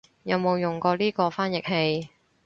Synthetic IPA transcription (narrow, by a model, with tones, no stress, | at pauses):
jɐ˨˧wmo˨˧wjʊ˨˩ŋkɔː˧liː˥kɔː˧faː˥njɪ˨k̚ɦe˧j